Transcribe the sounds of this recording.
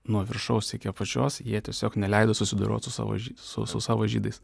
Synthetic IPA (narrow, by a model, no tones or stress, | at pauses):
nuɔʋʲɪɾʃɐʊsʲɪkʲipɐt͡ʃʲo̰ːsjiɛt̪ʲiɛsʲoːknʲɛlʲɛɪd̪oːsʊsʲɪd̪ɐɾʲo̰ːt̪sʊsɑ̰ːʋo̰ʒʲisʊ̰sʊsɑːʋoːʒʲiːd̪ɐɪs